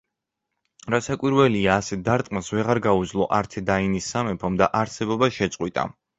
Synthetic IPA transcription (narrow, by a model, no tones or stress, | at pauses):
ɾasakʼwiɾvɛliaːsɛd̪aɾt̪ʼmasvɛʁaɾɡauzlˠɔʔaɾt̪ʰɛd̪ainisːamɛpʰɔmd̪aʔaɾsɛbɔbaʃɛt̪sʼqʼwit̪ʼa̰